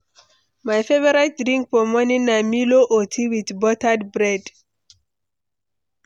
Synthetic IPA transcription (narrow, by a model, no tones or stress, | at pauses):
majfevɔɹat̚dɹĩŋk̚fɔmɔnĩnamiloʔotʰiwiðbɔtadbɹɛd